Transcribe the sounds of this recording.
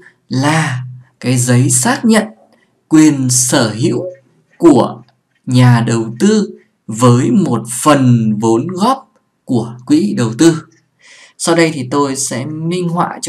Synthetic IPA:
laː˨˩kaː˨˦jzə˨˦jsaː˦˥k̚ɲə̰˧˨n | kwi˨˩ənsəː˧˩ɦḭ˧˥əw | ku˧˩ə | ɲaː˨˩ɗə˨˩wt̪ɨ˧ | vəː˨˦jmo˨˩t̚fə˨˩nvo˨˦nɣɔ˦˥p̚ | ku˧˩əkwḭ˧˥ɗə˨˩wt̪ɨ˧ | sa˧wɗə˧jt̪ʰi˨˩t̪o˧jsɛ̰˧˥mï˧ŋ̟hwa̰ː˧˨t͡ɕ

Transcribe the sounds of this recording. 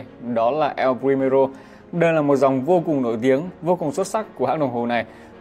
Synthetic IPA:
ɗɔ˨˦laː˨˩ʔɛ˧wpɹi˧me˧ɾo˧ | ɗə˧jlaː˨˩mo˨˩t̚za˨˩wŋ͡mvo˧kʊ˨˩ŋno̰˧˥˨jt̪i˨˦əŋvo˧kʊ˨˩ŋswə˦˥t̚sa˦˥k̚kːu˧˩əha̰ː˧˥ŋɗə˨˩wŋ͡mɦo˨˩na˨˩j

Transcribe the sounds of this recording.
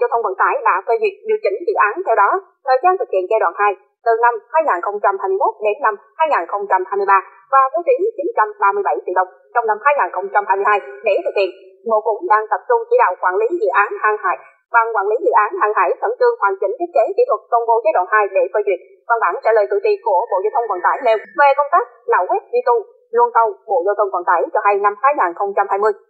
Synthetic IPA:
zə˧wt̪ʰə˧wŋ͡mvə̰˧˥nt̪a̰ː˧˥˩jɗa̰ː˧˥fə˧jzwi˨˩ək̚zɨ˧˨t͡ɕï˧˩˦ŋ̟zḭ˧˨ʔaː˨˦nt̪ʰɛ˧wɗɔ˨˦ | t̪ʰəː˨˩jzaː˧nt̪ʰɨ˨˩k̚hḭ˧˨ənt͡ɕɛ˧ɗwa̰ː˧˨nhaː˧j | t̪ɨ˨˩na˧mhaː˧jŋaː˨˩nxə˧wŋ͡mt͡ɕa˧mhaː˧jmɨ˧jmo˦˥t̚ɗe˨˦nːa˧mhaː˧jŋaː˨˩nxə˧wŋ͡mt͡ɕa˧mhaː˧jmɨ˧əjɓaː˧ | vaː˨˩t̪o˨˦t͡ɕ̪i˨˦ŋt͡ɕi˨˦nt͡ɕa˧mɓaː˧mɨ˧əjɓa˧˩jt̪ḭ˧˩ɗə˧wŋ͡m | t͡ɕɔ˧wŋ͡mna˧mhaː˧jŋaː˨˩nxə˧wŋ͡mt͡ɕa˧mhaː˧jmɨ˧haː˧jɗe˧˩t̪ʰɨ˨˩k̚hḭ˧˨ən | ɓo̰˧˨kʊ̰˧˥ŋ͡mɗaː˧ŋt̪ə˨˩p̚t͡ɕʊ˧ŋ͡mt͡ɕḭ˧˥˦ɗa̰ː˧˨wkwaː˧˩nli˨˦zḭ˧˨ʔaː˨˦nhaː˧ŋha̰ː˧˩j | ɓa˨˩ŋkwaː˧˩nli˨˦zḭ˧˨ʔaː˨˦nhaː˧˩ŋɦa̰ː˧˩jt̪ʰə˧˩nt͡ɕɨ˧əŋhwaː˨˩ŋt͡ɕï˧˩ŋt̪ʰi˦˥ət̚ke˨˦kḭ˧˥t̪ʰwə˨˩t̚t̪ə˧wŋ͡mvo˧˨˦zəː˨˦˥ɗwa̰ː˧˨nhaː˧jɗe˧˩fəː˧jt͡ɕwi˨˩ət̚ | va˧nɓa̰ː˧˩nt͡ɕa̰ː˧˥ləː˨˩jt̪ɨ̰˧˩t͡ɕḭ˧˨ku˧˩əɓo̰˧˨zaː˧t̪ʰə˧wŋ͡mkwaː˨˩nt̪aː˧˩jne˧wve˨˩kə˧ŋ͡mt̪aː˦˥k̚la̰ː˧˨wkwi˦˥t̚zi˧t̪u˧ | lu˧ənt̪ə˧wɓo̰˧˨zə˧wt̪ʰə˧ŋ͡mka̰ː˧˨˩nt̪aː˧˩jt͡ɕɔ˧ha˧jna˧mhaː˨˧˦jŋaː˨˩nxə˧wŋ͡mt͡ɕa˧mhaː˧jmɨ˧əj

